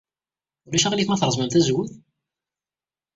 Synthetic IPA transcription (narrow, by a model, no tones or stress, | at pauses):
ʊlæʃæʁliθmæθɾˤzˤmæmθæzwʊθ